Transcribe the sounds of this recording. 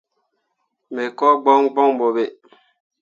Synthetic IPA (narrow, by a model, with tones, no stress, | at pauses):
me˨kɔ˦ɡ͡bɔ˦ŋɡ͡bɔ˦ŋ˨bo˨be˨